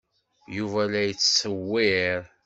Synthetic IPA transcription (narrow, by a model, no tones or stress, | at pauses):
juvælæjət͡sːsəwːiɾ